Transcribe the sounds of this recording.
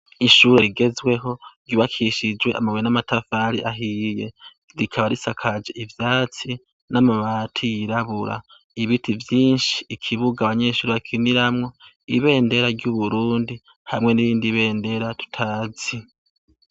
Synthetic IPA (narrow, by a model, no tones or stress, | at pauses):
iʃuːɾe̞ɾiɡe̞zwe̞ɦo̞ɾɟuβakʰiʃid͡ʒwe̞ʔa̰maβojenamatafaɾiʔaɦije̞ | ɾikʰaβaɾisakʰad͡ʒeivjaːt͡si | namaβaːtʰijiɾaβuɾa̰ | iβitivjiːnʃi̥ːkʰiβuɡaβaɲe̞ːʃuːɾeβakʰiniɾamŋo̞ | iβe̞ːnde̞ɾaɾɟuβuɾuːndi | hamŋe̞niɾiːndiβe̞ːnde̞ɾatu̥tʰazi